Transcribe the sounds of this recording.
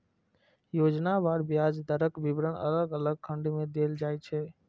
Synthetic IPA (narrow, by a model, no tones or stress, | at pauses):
joːd͡ʒnabaɾbjaːd͡ʒd̪əɾəkbibɾənʔə̰ləɡələɡ̚kʰəɳɖimẽd̪eːld͡ʒaːɛt͡ʃʰɛ